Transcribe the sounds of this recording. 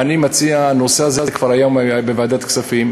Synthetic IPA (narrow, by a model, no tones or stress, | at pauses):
animat͡siaːnoseazeazkv̥aʁajombevaːd̪at̪ksafim